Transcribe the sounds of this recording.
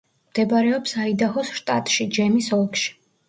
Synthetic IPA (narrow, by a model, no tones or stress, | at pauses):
md̪̥ɛbaɾɛɔpsaid̪ahɔsʃt̪ʼa̰t̪ʼʃid͡ʒɛmisɔlˠkʃi̥